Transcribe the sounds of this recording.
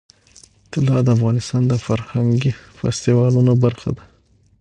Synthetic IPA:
ɪt̪ɪlɑd̪əafɣɑnɪst̪ɑnd̪əfaɾhaŋɡifa̰st̪iwɑlunobaɾxa̰d̪a

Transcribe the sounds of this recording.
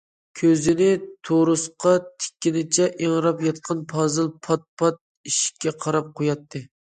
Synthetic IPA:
kʲʰøzɪnɪt̪ʰoɾʊsqʰɑt̪ʰɪ̥kʲːinɪt͡ʃʰɛʔeŋɾɑpjɑt̪̚qʰɑnpʰɑzɨlˠpʰɑt̪̚pʰɑt̪̚ | iʃkʲːɛqʰɑɾɑp̚qʰojɑt̪ʰːɨ

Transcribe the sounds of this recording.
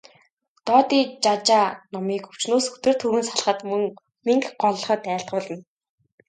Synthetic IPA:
t̪ɔːt̪iːt͡ɕat͡ɕaːnɔmiːkɵw̥t͡ɕnoːsɵt̪ɵ̆r̥t̪ʰuːɣɘ̆nsaɮχə̆t̪mɵŋ | miŋkɢɔɮχœːt̪æːɬt̪̚ɢʊːɮə̆n

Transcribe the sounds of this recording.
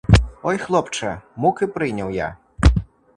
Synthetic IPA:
ɔjxlˠɔpt͡ʂɐmukɨpɾɨnʲɐwja̰

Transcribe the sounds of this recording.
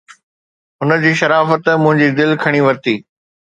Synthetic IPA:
ɦʊnə̆d͡ʑiːʃɐɾaːfət̪mʊ̃ɦɪ̃ɲd͡ʑiːd̪ɪlkʰɐɽ̃iʋɐɾt̪iː

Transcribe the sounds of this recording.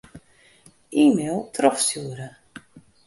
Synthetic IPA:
iːmeːlˠtʰrɔfsjuəɾə

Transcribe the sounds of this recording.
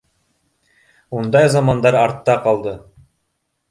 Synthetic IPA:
und̪ɑjzɑmɑnd̪ɑɾɑɾt̪ːɑqɑlˠd̪ɤ

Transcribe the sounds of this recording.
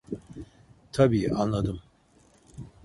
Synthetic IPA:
t̪ʰabiːʔanlˠad̪ɯm

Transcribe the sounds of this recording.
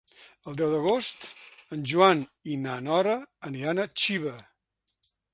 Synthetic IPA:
əlˠd̪ɛwðəɣost̪ənʲʒuaninanɔɾəːnianət͡ʃiβə

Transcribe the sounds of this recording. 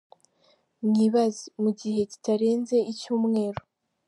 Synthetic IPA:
mŋiβazimuɟihe̞ci̥taɾe̞ːnze̞ʔicuːmŋe̞ːɾo

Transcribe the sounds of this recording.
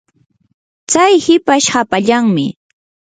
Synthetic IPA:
t͡sajhɪpaʃhapaʎaŋmɪ

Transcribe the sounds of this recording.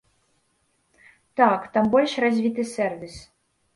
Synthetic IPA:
t̪akt̪ambɔlʲʂrazʲvʲit̪ɨsʲɛrvʲis

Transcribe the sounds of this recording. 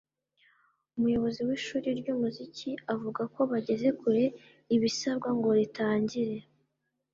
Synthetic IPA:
umujo̞βo̞ziwiːʃuːɾiɾɟuːmuziciavuɡako̞βaɟe̞ze̞kuɾe̞ | iβisaβɡwaŋɡo̞ɾitaːɲɟiɾe̞

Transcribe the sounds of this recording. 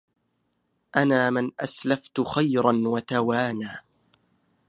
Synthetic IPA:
ʔanaːmɪnʔaslaft̪ʊxajɾɑnwat̪awaːnaː

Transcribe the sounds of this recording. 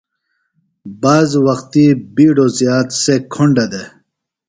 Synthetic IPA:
baːzwɐxt̪ibiːɖozjaːt̪sekʰoɳɖɐd̪e

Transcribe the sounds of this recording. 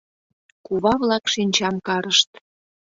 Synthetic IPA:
kuβɑβlɑkʃinʲt͡ɕɑmkɑɾəʃt̪

